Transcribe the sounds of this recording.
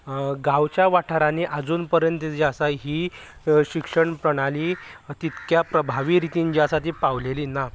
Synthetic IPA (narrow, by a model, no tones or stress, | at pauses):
ɡaʋt͡ɕjaʋaʈʰaɾaneʔad͡zuːnpəɾjənt̪d͡ʑiasaɦiːɕikʂəɳpɾəɽ̃aliːt̪it̪kjapɾəbʱaʋiːɾit̪iɲt͡ɕiasat̪iːpaʋleliːna